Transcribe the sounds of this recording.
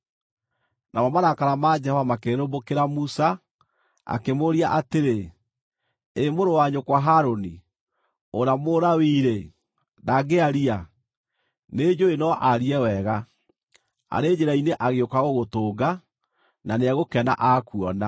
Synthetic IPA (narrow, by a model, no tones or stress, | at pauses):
namɔmaɾakaɾamad͡ʒɛhɔvamakeɾɾombokeɾamusa | a̰kemoɾiaʔateɾe | emoɾowaɲokwaɦaɾoni | oɾamoːɾawiːɾe | naɡeaɾia | ned͡ʒoenɔʔaɾiɛwɛɣa | a̰ɾed͡ʑeɾaineʔaɣeokaɣoɣotoːɡa | naneaɣokɛna̰ʔakuɔna